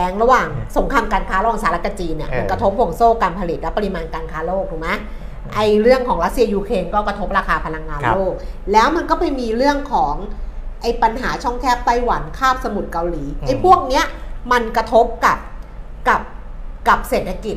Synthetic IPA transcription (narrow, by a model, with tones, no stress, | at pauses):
ɛː˦˥ŋɾa˧waː˨˩ŋso˩˦ŋkʰaː˧mkaː˧nkʰaː˦˥ɾa˧waː˨˩saː˨˦ɾa˦˥t̪̚ka˧˩t͡ɕiː˧nːi˥˩ɐʔnkɾa˧t̪ʰo˦˥p̚ːwːŋsoː˥˩kaː˧npʰa˧li˨˩t̪̚lɛ˦˥wpa˧ɾi˧maː˧nkaː˧nkʰaː˦˥loː˥˩k̚t̪uː˨˩ma˦˥ | ʔa˧jɾɯ˥˩əŋkʰɔː˩˦ŋɾa˦˥t̪̚si˧ɐjuː˧kʰɾeː˧nkɔː˥˩kɾa˧t̪ʰo˦˥p̚ɾaː˧kʰaː˧pʰa˧la˧ŋːaː˧mloː˥˩k̚lɛː˦˥wma˧nkɔː˥˩pa˧jmiː˧ɾɯ˥˩əŋkʰɔː˩˦ŋʔa˧˩jpa˧nɦaː˩˦t͡ɕʰɔ˥˩ŋt̪ʰɛː˥˩p̚t̪a˥˩jwa˨˩˦nkʰaː˥˩p̚sa˧mu˨˩t̪̚ka˧wliː˩˦ʔʔa˧˩jpʰu˥˩ək̚ni˦˥ɐma˧nkɾa˧t̪ʰo˦˥p̚ka˨˩p̚ | ka˨˩p̚ka˨˩p̚seː˨˩t̪ʰa˧ki˨˩t̪̚